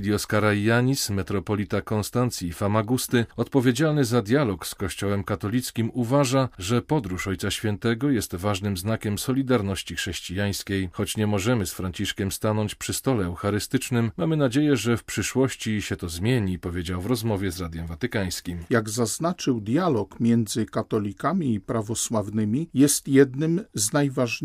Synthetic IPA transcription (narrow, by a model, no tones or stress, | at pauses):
lʲjɔskaɾaːaɲismɛt̪ɾɔpɔlʲit̪akɔnst̪ant̪sʲjifamaɡust̪ɘɔt̪pɔvʲjed͡ʑalnɘzad̪ʲjalɔkskɔɕt͡ɕɔwɛmkat̪ɔlʲit̪skʲimuvaʐaʐɛpɔd̪ɾuʂɔjt̪saɕfʲjɛnt̪ɛɡɔjɛst̪vaʐnɘmznakʲɛmsɔlʲid̪aɾnɔɕt͡ɕixʂɛɕt͡ɕijaj̃skʲejxɔt͡ɕɲɛmɔʐɛmɘsfɾaɲt͡ɕiʂkʲɛmst̪anɔɲt͡ɕpʂɘst̪ɔlɛɛwxaɾɘst̪ɘt͡ʂnɘmːamɘnad͡ʑejɛʐɛfpʂɘʂwɔɕt͡ɕiɕɛt̪ɔzmʲjeɲipɔvʲjed͡ʑawvɾɔzmɔvʲjɛzɾad̪ʲjɛmvat̪ɘkaj̃skʲimjaɡzaznat͡ʂɘwd̪ʲjalɔkmʲjɛnd̪zɘkat̪ɔlʲikamʲiːpɾavɔswavnɘmʲijɛst̪jɛd̪nɘmznajvaʐ